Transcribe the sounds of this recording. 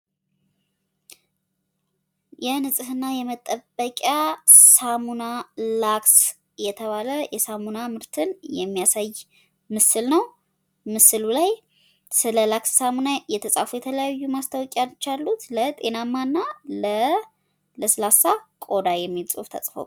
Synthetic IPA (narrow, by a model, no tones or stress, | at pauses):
jɛnɨsʼɨhɨnːajɛmət̪ʼəbːəkʼjasamunalaks | jɛt̪ʰəβaləjɛsamunamɨɾt̪ʰɨnjɛmːijasaj | mɨsɨlnəw | mɨsɨlulaj | sɨləlaksːamunajɛt̪ʰəsʼa̰fujɛt̪ʰələjajːumast̪ʰawkʼalt͡ʃːalːut̪lət̪ʼe̞namːanːalə | ləslasakʼo̞d̪ajɛmːilt͡sʼṵft̪ʰə̰sʼfo̰